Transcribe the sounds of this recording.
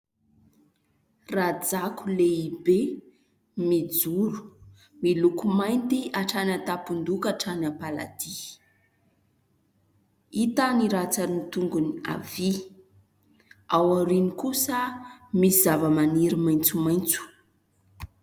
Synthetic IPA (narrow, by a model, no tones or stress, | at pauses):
rad͡zakuleibe | mid͡zuɾu̥ | milukumajnt̪iaʈ͡ʂanat̪apund̪ukaʈ͡ʂanapala̰d̪̥i | it̪aniɾat͡saɾinit̪uŋɡunia̰vi | awaɾinikusəmisizavəmaniɾimajnt͡sumajnt͡su̥